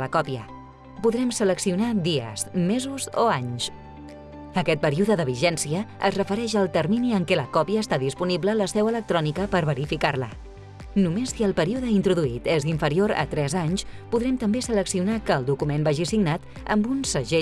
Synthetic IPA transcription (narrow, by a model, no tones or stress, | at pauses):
ləkɔpiə | puðɾɛmsələksiunad̪iə̰zmezuzoaɲʃ | əkɛt̪̚pəɾiuðəðəβ̞iʒɛnsiəə̰zrəfəɾɛʃəlˠt̪əɾminiəŋkɛləkɔpiəːst̪aðispuniblələsɛwələk̚t̪ɾɔnikəpəɾβəɾifikarlə̰ | numesiəlˠpəɾiuðəint̪ɾuðuit̪eziɱfəɾioɾə̰t̪ɾɛzaɲspuðɾɛmt̪əmbesələksiunakəːlˠd̪ukumenbaʒisiɡnat̪ | ə̰mbunsəʒe